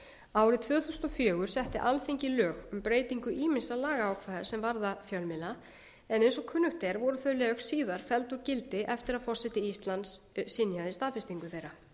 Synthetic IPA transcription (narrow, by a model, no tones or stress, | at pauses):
aːwɾɪt̪ʰvœːθust̪ɔfjœːɣʏɾ̥sɛht̪ɪ̰ʔalθiɲcɪlœːɣʏmpɾeːjt̪iŋkʏʔiːmɪnsalaːɣaawkʰvaːðḁsɛmvaɾðafjœlmɪna | ɛnejnsɔkʰʏnːʏxt̪eɾvɔɾʏθœɥlɛːxsiːðaɾ̥fɛlt̪uɾcɪlt̪ɪʔɛft̪ɪɾaðfɔrsɛt̪ɪist̪lant̪ssɪnjaðɪst̪aːfɪst̪iŋkʏθejɾa